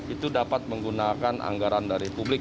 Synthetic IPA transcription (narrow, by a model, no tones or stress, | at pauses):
it̪udapat̪̚məŋɡunakanʔa̰ŋɡaɾandaɾipublɪk